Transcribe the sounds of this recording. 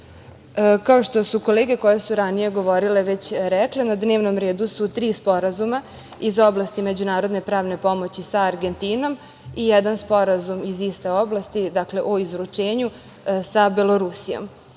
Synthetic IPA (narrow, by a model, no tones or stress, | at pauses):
əkaoʃt̪o̞suko̞leːɡe̞ko̞jesuɾanije̞ɡo̞ʋo̞ɾile̞ʋe̞t͡ɕɾɛklenad̪neːʋno̞mɾeːd̪usut̪ɾiːspo̞ɾazuma | izo̞blˠast̪ime̞d͡ʑunaːɾo̞d̪ne̞pɾaːʋne̞po̞mo̞t͡ɕisaːɾɡe̞nt̪ino̞m | ijɛd̪anspo̞ɾazumizist̪e̞o̞blˠast̪id̪akle̞ʔoizɾut͡ʂe̞ːɲu | sabelo̞ɾusijo̰m